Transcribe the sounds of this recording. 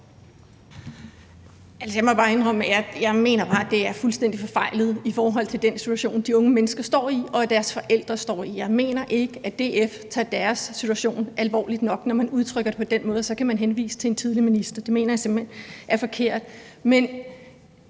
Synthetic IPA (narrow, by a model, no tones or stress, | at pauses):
ælsɐjɑmɒbɑ̈ːe̝nʁɒb̥̰jajɑ̈ɪme̝̰ːnɐb̥ɑ̈ːæd̥e̝æɐfulsd̥en̰d̥ifɒ̽fɑ̈ɪlð̩ˠifɒːɦɒ̽l̰t͡sʰe̝ld̥ensit͡sʰuæɕo̝̰ːnd̥iɔ̽ŋəmenəsɡ̥ɐsd̥ɒ̰ːiɒ̽æd̥æɐsfɒ̽ʔel̰d̥ʁɐsd̥ɒ̰ːijɑ̈ɪme̝̰ːnɐʔe̝ɡ̥əæd̥e̝eft͡sʰɑ̈d̥æɐsːit͡sʰuæɕo̝̰ːnʔælʋɒ̰ːlid̥nɒ̽ɡ̥nɒmænuð̞ˠt͡sʰʁœɡ̥ɐd̥e̝pʰɒ̽d̥enmɔ̽ːðˠsɒ̽kʰæmænɦenʋḭːsə̥t͡sʰe̝ent͡sʰið̞ˠliminisd̥ɐd̥e̝me̝̰ːnɐjɑ̈se̝mb̥enʔæɐfɒ̽kʰe̝ɐ̰d̥men